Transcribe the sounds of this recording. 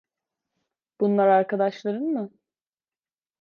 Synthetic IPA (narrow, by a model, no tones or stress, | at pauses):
b̥unlˠaɾaɾkad̪aʃlˠaɾɯnmɯ